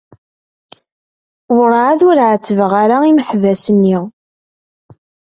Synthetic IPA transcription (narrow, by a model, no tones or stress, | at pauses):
wɾˤʕaðʊɾʕət͡sːəvəʁaɾaiməħvæsənːi